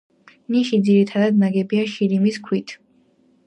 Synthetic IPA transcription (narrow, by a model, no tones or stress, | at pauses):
niʃid̪ziɾit̪ʰad̪ad̪naɡɛbiaʃilimiskʰwit̪ʰ